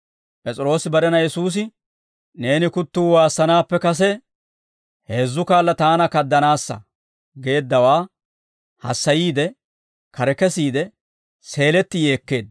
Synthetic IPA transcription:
pʼɛt͡sʼɪɾo̞ːsɪbɐɾɛnɐjɛsuːs̬ɪ | ne̞ːnɪkʊt̪ːuːwaːsːɐnaːpːɛkɐs̬ɛ | he̞ːzːʊkaːlːɐt̪aːnɐkɐd̪ːɐnaːsːɐ̰ | ɡe̞ːd̪ːɐwaː | hɐ̰sːɐjiːd̪ɛ | kɐɾɛkɛsiːd̪ɛ | se̞ːlɛt̪ːɪje̞ːkːe̞ːd̪

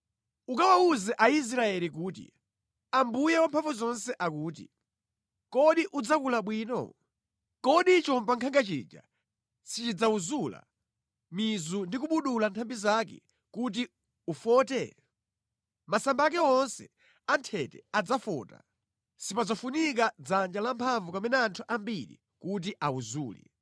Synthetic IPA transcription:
ukawauzɛʔais̬ɾaɛlik̬uːtḭ | ambujɛwampʰaɱvuzɔnsɛʔakuːtḭ | kɔɗiʔud͡zakulaɓwiːnɔ̰ | kɔɗit͡ʃɔmpaŋkʰaŋɡat͡ʃḭd͡ʒa̰ | sit͡ʃid͡zauzula̰ | mizundikuɓuɗulantʰambizakɛ̰ | kut̬i | ufɔːtɛ | masambak̬ɛɔnsɛ | antʰɛtɛ̰ad͡zafɔ̰ːta̰ | sipad͡zafunik̬ad͡zand͡ʒalampʰaɱvukamɛnɛːntʰuʔambiɾḭ | kut̬iʔauzuːlḭ

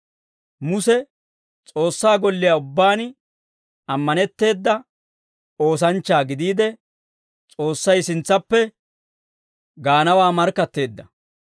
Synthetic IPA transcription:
mʊsɛ | t͡sʼo̞ːsːaːɡɔlːɪjaʊbːaːn | ɐmːɐnɛt̪ːe̞ːd̪ːɐ | o̞ːs̬ɐnt͡ʃːaːɡɪd̪iːd̪ɛ | t͡sʼo̞ːsːɐjsɪnt͡sːɐpːɛ | ɡaːnɐwaːmɐɾkːɐt̪ːe̞ːd̪ːɐ

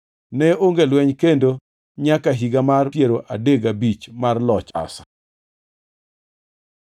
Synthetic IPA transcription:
nɛoŋɡelwɛɲkendo | ɲakaɦiɡamarpjeɾoʔadeɡabit͡ʃmarlɔt͡ʃa̰sḁ̰

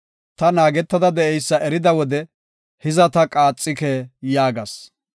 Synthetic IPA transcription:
t̪ɐnaːɡɛt̪ːɐd̪ɐd̪ɛʔɛjsːɐʔɛɾɪd̪ɐwɔd̪ɛ | hɪzɐt̪ɐkʼaːt͡sʼːɪkɛːjaːɡɐs

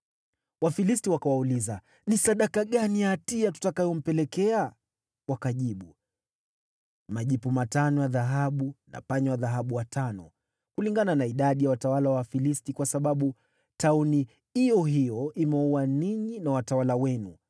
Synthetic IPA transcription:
wafilistiwakawauliza | nisaɗakaɠanijatiatu̥takajɔm̩pɛlɛkɛa | wakaʄiɓu | maʄipumatanɔjaðaɦaɓuna̰paɲɔwaðaɦaɓuwatanɔ | kuliŋɡananaiɗaɗijawatawalawafilistikwasaɓaɓu | tauni | ijɔɦijɔimɛuwaniɲinawatawalawɛnṵ

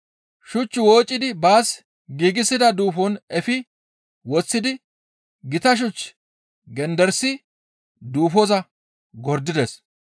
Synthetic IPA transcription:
ʃʊt͡ʃːɪwoːt͡ʃʼːɪd̪ɪbaːs | ɡiːɡɪsɪd̪ɐd̪uːfɔnɛfɪ | wɔt͡sːɪd̪ɪ | ɡɪt̪ɐʃ̬ʊt͡ʃː | ɡɛnd̪ɛɾsɪ | d̪uːfɔzɐ | ɡɔɾd̪ɪd̪ɛs

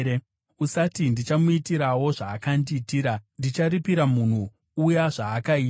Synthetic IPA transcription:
e | usatindit͡ʃamuitiɾawo̞ʐaːkandiːtiːɾandit͡ʃaɾipiɾamun̤u | ujaʐaːkai

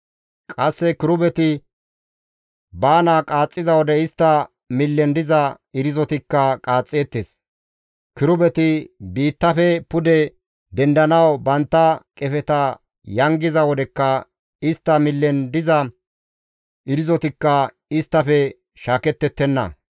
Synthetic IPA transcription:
kʼɐsːɛkɪɾʊbɛt̪ɪ | baːnɐkʼaːt͡sʼːɪzɐwɔd̪ɛɪst̪ːɐ | mɪlːɛnd̪ɪzɐ | ɪɾɪzɔt̪ɪkːɐkʼaːt͡sʼːeːt̪ːes | kɪɾʊbɛt̪ɪbiːt̪ːɐfɛpʊd̪ɛ | d̪ɛnd̪ɐnɐwbɐnt̪ːɐkʼɛfɛt̪ɐ | jɐŋɡɪzɐwɔd̪ɛkːɐ | ɪst̪ːɐmɪlːɛnd̪ɪzɐ | ʔɪɾɪzɔt̪ɪkːɐ | ɪst̪ːɐfɛ | ʃaːkɛt̪ːɛt̪ːɛnːɐ̰

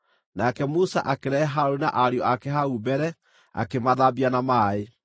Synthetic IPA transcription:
nakɛmusa̰ʔakeɾɛɦaɾonaʔaɾjɔʔakɛɦaubɛɾɛ | a̰kemaðabianamae

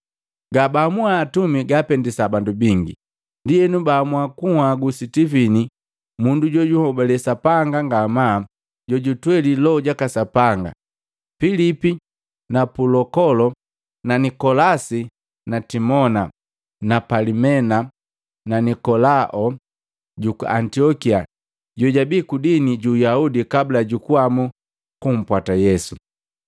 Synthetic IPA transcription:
ɡabamuaːtumiɡapɛndisabandubiŋɡḭ | ndiɛnubaːmwakuhwaɡusitifini | munduɟɔɟuhɔbalɛsapaŋɡaŋɡama | ɟɔɟutwɛlilɔɟakasapaŋɡa̰ | filipi | napulɔkɔlɔ | nanikɔlasi | natimɔna | napalimɛna | nanikɔlaʔɔ | ɟukua̰ntiɔkia | ɟɔɟabiːkudiniɟujaudikablaɟukuamu | kum̩pwatajɛsu

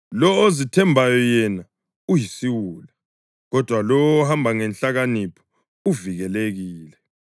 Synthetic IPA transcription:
lɔozitʰɛmbʱajɔjɛna | ujisiwuːla | ɣɔd̥ʱwalɔɔhambʱaŋɛnɬaɣanipʰɔ̥ | uviɣɛleɣiːlɛ

